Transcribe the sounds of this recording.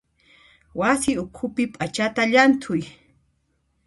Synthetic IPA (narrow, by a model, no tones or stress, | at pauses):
wasɪʊkʰʊpɪpʼat͡ʃat̪aʎant̪ʰʊj